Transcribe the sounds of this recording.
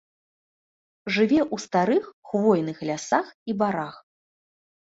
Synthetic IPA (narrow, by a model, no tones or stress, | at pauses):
ʐɨvʲɛʔust̪aɾɨxxvɔjnɨxlʲasaxibaɾax